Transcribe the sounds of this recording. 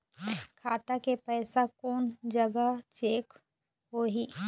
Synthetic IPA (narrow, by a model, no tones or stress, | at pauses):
kʰaːt̪akepɛːsakɔːnd͡ʒəɡat͡ʃeːk | ɦoːɦiː